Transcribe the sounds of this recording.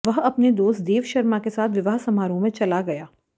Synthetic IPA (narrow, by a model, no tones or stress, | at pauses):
ʋɐɦɐpned̪oːst̪d̪eːʋʃɐɾmakesaːt̪ʰʋɪʋaːɦsɐmaːɾõmẽt͡ʃɐlaɡɐjaː